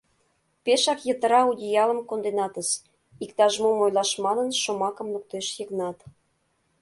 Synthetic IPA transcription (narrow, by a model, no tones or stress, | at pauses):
peʃɑkjət̪ə̆ɾɑudʲijɑlə̆mkond̪enɑt̪əs | ikt̪ɑʒmomojlɑʃmɑnə̆nʃomɑkə̆mluk̚t̪eʃjəknɑt̪